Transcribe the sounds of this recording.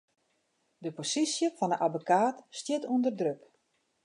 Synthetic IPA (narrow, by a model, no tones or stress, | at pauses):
dəposisjəfɔnəʔabokaːtstjɪtundərdrøk